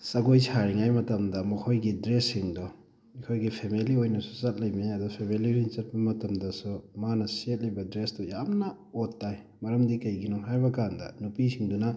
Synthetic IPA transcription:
sɐɡojsʰaɾiŋajmɐtɐmdɐmɐkʰojɡidɾesːiŋdɔ | ikʰojɡipʰemeliojnɐsu̥t͡ʃɐt̚lɐjmiɐdupʰemeliɾiŋt͡ʃɐt̚pɐmɐtɐmdɐsumanɐsiet̚lɐjbɐdɾestujamnɐ | otːaj | mɐɾɐmdikɐjɡinɔŋɦaɾbɐkandɐ̰nupisʰiŋdunɐ

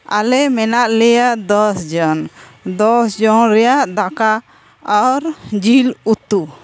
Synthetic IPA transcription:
a̰lɛmɛnaʔlɛjaʔd̪ɔsd͡ʒɔnd̪ɔsd͡ʒɔnɾɛjaʔd̪aka | ɔɾd͡ʒilut̪u

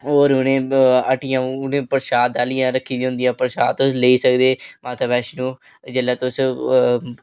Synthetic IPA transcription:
oːɾʊnẽːəʈɪjãːʊnẽːpəɾʃaːd̪aːlijãːɾəkʰːiːd̪iɦʊ̃nd̪ijãːpəɾʃaːd̪t̪ʊsleiːsəkd̪eːmãːt̪ʰəbɛːʃnũː | d͡ʒelaːt̪ʊs

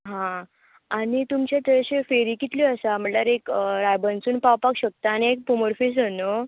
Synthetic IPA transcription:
ɦã | añit̪umt͡ɕet̪əɕefeɾiːkit̪liəsam̤əʈlaɾekɾajbənsuːnpawpakɕək̚t̪aaniek̚puməɾfes̬əno

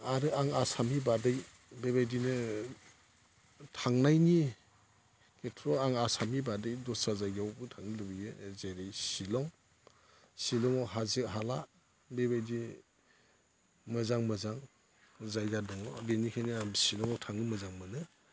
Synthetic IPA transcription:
aɾɯaŋasamibadɯj | bebajdinɯ | tʰaŋnajni | kʰetʰɾɔaŋasamibadɯjdɔsazajɡawbɯtʰaŋnilɯbiɡezeɾejsilɔŋ | silɔŋɔɦazɯɦala | bebajdi | mɯzaŋmɯzaŋ | zajɡadɔŋɔbenikʰajniasilɔŋɔwtʰaŋɯmɯzaŋmɯnɯ

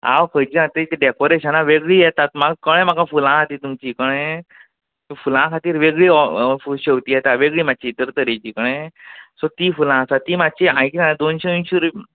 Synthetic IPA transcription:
a̰ʋkʰəd͡ʑiãt̪ət̪eɖɛkoɾeɕənaʋeɡɭiːjɛt̪at̪maɡkəɽ̃ẽmakafulãkʰat̪iːt̪umt͡ɕiːkəɽ̃ẽ | t̪fulãkʰat̪iːɾʋeɡɭiːɔfuɕeʋt̪iːjɛt̪aʋeɡɭiːmat͡ɕit̪əɾt̪əɾet͡ɕikəɽ̃ẽsɔt̪iːfulãsat̪imat͡ɕiãjikãd̪onɕenɕuɾ

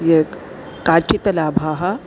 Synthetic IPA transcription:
je | kaːt͡ʃit̪ɐlaːbʱaːɦɐ

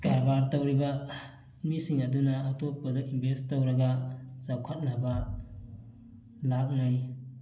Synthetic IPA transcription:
ɡaɾbaɾtawɾiba | misiŋɐdunaːtop̚pːadɔʔinbʱestːawɾɐɡat͡ʃawkʰat̚naba | lak̚naj

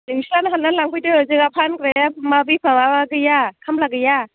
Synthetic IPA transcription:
nɯŋslanaɦanːalaŋpɯjtɯɯzɯɡapʰankɾeamabipʰaŋaaɡɯjakʰamlaɡɯja

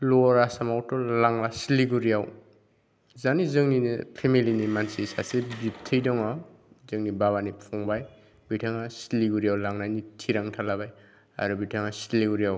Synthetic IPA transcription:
lɔɾasamawtɔlaŋlasiliɡuɾijaw | zanizɯŋninipʰemilinimansisasebip̚tʰɯjdɔŋa | zɯŋnibaβanipʰɔŋbaj | bitʰaŋasiliɡuɾijawlaŋnajnitʰiɾaŋtʰalabaj | a̰ɾubitʰaŋasiliɡuɾijaw

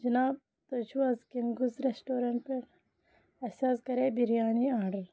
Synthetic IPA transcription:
d͡ʒɐnaːb̚ | t̪ɐd͡ʒuɐzkiŋɡuzɾesʈoːɾɐɳʈ̚pɐɾ | ɐsaːskɐɾeːbiɾijaːniaːɖɐl

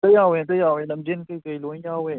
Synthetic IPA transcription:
t̪əjawɛ̃t̪əjawɛ̃ləmbɪnkəkəjlʊ̃jawɛ̃

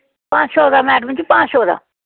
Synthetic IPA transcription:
pãːt͡ʃʰoːd̪aːmɛːɖmɪ̃t͡ʃpãːt͡ʃʰoːd̪a̰ː

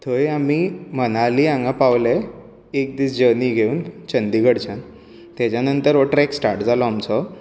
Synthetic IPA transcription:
t̪ʰojamimənaliãŋɡapaʋle | ek̚d̪iːt͡sd͡ʑəniɡʱeuːnt͡ɕənd̪iɡəɽt͡ɕãn | t̪jat͡ɕjanənt̪əɾoʈɾeksʈaɾʈd͡zalɔamt͡sɔ

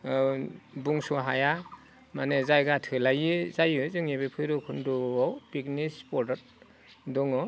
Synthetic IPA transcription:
buŋsuɦaja | manezajɡatʰɯlajɯzajɯzɯŋebepʰɯjɾɔkʰundɔɔwpiknispɔɾdɔt̚ | dɔŋɔ

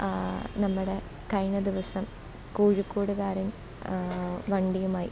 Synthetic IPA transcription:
nɐmːuɽe̞ | kɐɻɳɐd̪iʋɐsɐm | kuːɻukːuːɽuɣaːɾin | ʋɐɳɖijumaːjḭ

